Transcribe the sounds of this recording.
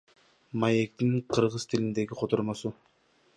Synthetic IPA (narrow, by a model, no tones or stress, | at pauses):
maje̞k̚t̪iŋqʰɯɾʁɯz̥t̪ʰilind̪e̞ɡiqʰot̪oɾmosu